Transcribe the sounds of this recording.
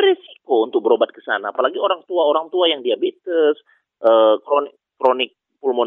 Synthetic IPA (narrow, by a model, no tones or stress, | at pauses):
ɾisi̥kount̪ʊk̚bəɾobat̪̚kə̥sa̰naːpalaɡioɾaŋt̪uaoɾaŋt̪uajaŋdiabit̪əs | ʔəkɾonɪkː | ɾonɪk̚ | pulmon